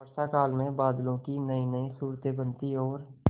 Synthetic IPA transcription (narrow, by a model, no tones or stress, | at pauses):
əɾsakaːlmẽbaːd̪lõkinəinəĩsuːɾt̪ebənt̪iɔːɾ